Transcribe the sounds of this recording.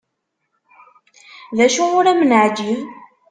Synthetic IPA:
ðæʃuʊɾæmənʕd͡ʒiv

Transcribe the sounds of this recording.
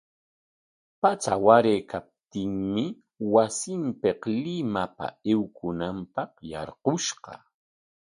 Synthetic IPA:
pat͡sa̰waɾeːkʰap̚t̪ɪŋmɪ | wasɪmpeqlɪmapa̰ewkʊnampɑqjɑ̰ɾqʊʃɢɑ̰

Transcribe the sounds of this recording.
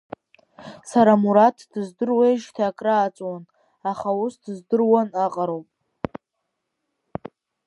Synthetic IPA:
saɾamuɾatʰd̥ɨzdɨrweʒtʰaːkʼraːt͡sʼwan | aχausdɨzdɨrwanaqʼaɾowpʼ

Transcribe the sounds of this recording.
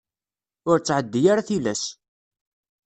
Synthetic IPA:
ʊɾt͡sːʕəd̪ːijaɾaθilæs

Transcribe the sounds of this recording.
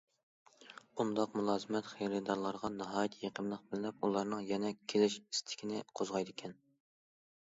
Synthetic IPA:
und̪ɑqmulˠɑːzɨmɛt̪χejɾɪd̪ɑɾlˠɑɾʁɑnɨɦɑːjɪt̪ʰjeqʰəmlˠəq̚bɪlɪnɛpulˠɑɾnɨŋjɛnɛkʲʰelɪʃist̪ʰɪ̥kʲʰinɪqʰozʁɑjd̪ɪkʲʰɛn

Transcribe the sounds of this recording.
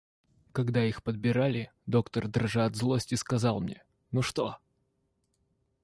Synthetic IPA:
kɐɡd̪aixpəd̪̚bʲɪɾalʲɪ | d̪o̞kt̪ərd̪rʐɨɐd̪zlˠosʲtʲɪskɐzɑlˠmnʲḛ | nuʂt̪o

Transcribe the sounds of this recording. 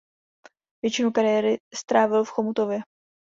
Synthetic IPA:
vjɛt͡ʃɪnukaɾɪjɛɾɪst̪ɾaːvɪlfxomut̪ovjɛ

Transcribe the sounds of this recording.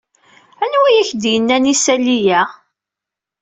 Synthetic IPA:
ænwæjæçd̪jənːænisælijæ

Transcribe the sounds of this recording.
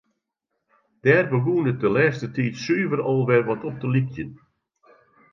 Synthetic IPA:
d̥ɛːrbəɡuːnət̚dəlɛːstətiːtsyːvərɔlˠʋɛrʋɔtɔp̚dəlik̚jən

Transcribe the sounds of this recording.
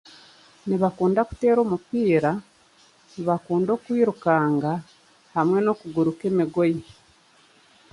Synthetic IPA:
niβakuːndaku̥te̞ːɾo̞ːmupiːɾa | niβakuːndo̞ːkwiːɾukaːŋɡa | hamwe̞no̞ːkuɡuɾuke̞ːmiɡo̞ji

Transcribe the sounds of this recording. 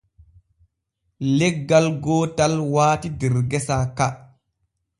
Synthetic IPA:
lɛɡːalɡɔːtalwaːtidɛɾɡɛsaka

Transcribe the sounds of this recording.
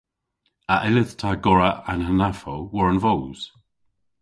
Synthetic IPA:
aʔɪləðtʰaɡɔɹaanhanafowɔɹənvɔlz̥

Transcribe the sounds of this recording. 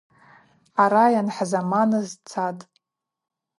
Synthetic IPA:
aɾajanħazamanɨzt͡sʰatʼ

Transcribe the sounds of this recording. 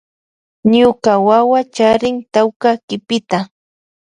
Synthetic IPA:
ɲʊkawawat͡ʃaɾɪŋt̪awkakɪpɪt̪a

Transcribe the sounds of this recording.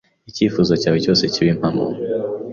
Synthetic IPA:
it͡ʃifuzɔt͡ʃawit͡ʃɔsɛt͡ʃiwim̩ambɔ̰

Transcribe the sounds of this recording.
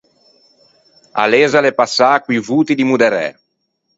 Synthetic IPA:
a̰lɛːzalepasːakwivuːt̪id̪imud̪ɛɾɛ̰

